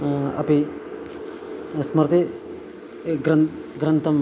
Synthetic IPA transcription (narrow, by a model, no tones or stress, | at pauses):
ɐ̰pi | smɐɾt̪i | ɡɾɐnɡɾɐnt̪ʰɐm